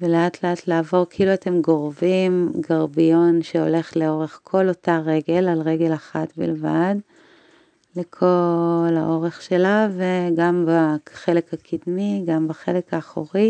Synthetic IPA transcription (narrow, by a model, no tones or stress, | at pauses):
veleatleatlaaːvo̞ʁkeiluate̞mɡo̞ʁvimɡaʁbijo̞nʃeo̞̰le̞χleo̞ʁe̞χkʰo̞lotaʁe̞ɡe̞lalʁeɡe̞laχatbḭlva̰d | lekʰo̞la̰ʔo̞ʁeχʃe̞lave̞ɡambaχe̞le̞khakʰidmiɡambaχele̞kaːχoʁi